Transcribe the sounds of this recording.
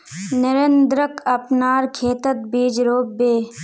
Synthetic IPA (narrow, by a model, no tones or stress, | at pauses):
nəɾend̪ɾəkʰɐpnaːɾkʰeːt̪ət̪̚biːd͡ʒɾoːbːeː